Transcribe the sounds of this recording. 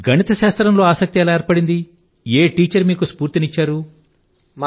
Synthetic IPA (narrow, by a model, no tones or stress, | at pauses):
ɡʱɐɳit̪ɐʃaːst̪ɾɐmlo̞ːaːsɐk̚t̪iɛlɐeːɾpɐɽind̪i | eːʈiːt͡ʃɐɾmiːkuspuːɾt̪init͡ʃːaːɾu | m